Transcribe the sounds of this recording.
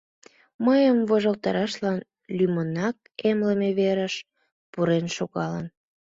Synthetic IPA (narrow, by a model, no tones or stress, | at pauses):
məjəmvoʒəlt̪ɑɾɑʃlɑn | lymənɑk̚emləmeβeɾəʃ | puɾenʃoɣɑlən